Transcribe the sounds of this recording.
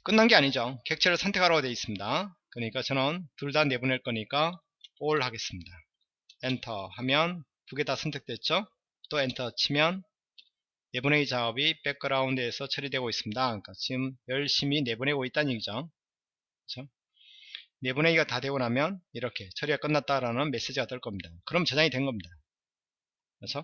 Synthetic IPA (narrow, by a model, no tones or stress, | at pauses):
k͈ɯnːanɡe̞aɲid͡ʑoke̞k̚t͡ɕʰeɾɯɭsʰʌntʰekʰaɾaɡodwe̞is͈ɯmɲidakɯɾʌɲik͈at͡ɕʌnʌntuɭdanːe̞buneɭk͈ʌɲik͈a | oɭhaɡe̞s͈ɯmɲida | entʰʌhamjʌn | puɡe̞tasʰʌntʰek̚t͈we̞t̚t͡ɕ͈o | t͈oentʰʌt͡ɕʰimjʌnː | e̞bune̞it͡ɕaʌbip͈e̞k͈ɯɾaundesʰʌt͡ɕʰʌɾidwe̞ɡois͈ɯmɲidak͈at͡ɕiɡɯmjʌɭɕ͈imine̞bunɦe̞ɡoit̚t͈aniɡid͡ʑʌŋ | kkɯt͡ɕʰo | ne̞bune̞iɡatadwe̞ɡonɦamjʌniɾʌkʰe̞t͡ɕʰʌɾiɡak͈ʌnːat̚t͈aɾanɯnme̞s͈e̞d͡ʑiɡatʌɭk͈ʌmɲidakɯɾʌmt͡ɕʌd͡ʑaŋidwe̞nɡʌmɲida | kat͡ɕʰo